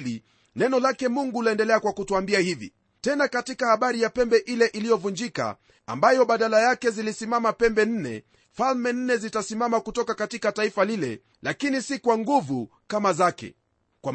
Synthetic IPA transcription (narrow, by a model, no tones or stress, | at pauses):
li | nɛnɔlakɛmuŋɡulaɛndɛlɛakwakutuambiahivḭ | tɛnakatikahaɓaɾijapɛmbɛʔilɛʔilijɔvund͡ʒika̰ | a̰mbajɔɓaɗalajakɛzilisimamapɛmbɛn̩nɛ̰ | falmɛn̩nɛzitasimamakutɔkakatikataifalilɛ̰ | lakinisikwaŋɡuvu | kamazakɛ̰ | kwam